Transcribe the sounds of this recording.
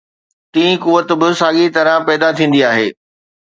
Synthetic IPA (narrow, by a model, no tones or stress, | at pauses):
t̪ĩːĩkʊʋət̪bɪsaːɠit̪ɐɾãpɛːd̪at̪ʰĩːn̆d̪iaːɦeː